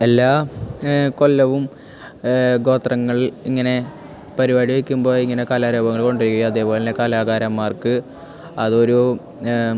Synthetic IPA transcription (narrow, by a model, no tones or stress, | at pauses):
elːaː | ko̞lːɐʋum | ɡo̞ːt̪rɐŋːɐɭiŋːɐne̞ | pɐɾiʋɐɽiʋekʲːumbo̞ːiŋːɐne̞kaːlaːɾoːbɐŋːɐɭko̞ɳɖiɾikʲːuɣjaɐðeːpo̞ːlenekaːlaːɣaːɾɐmːaːrkɨ | ɐðo̞ɾu